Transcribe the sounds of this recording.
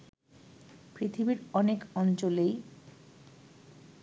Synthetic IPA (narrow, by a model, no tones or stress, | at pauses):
pɾit̪ʰibiɾɔnekɔnt͡ɕolej